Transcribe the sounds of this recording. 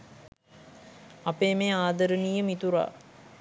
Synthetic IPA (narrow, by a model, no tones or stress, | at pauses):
ɐpeːmeːaːd̪əɾənijəmit̪uɾa̰ː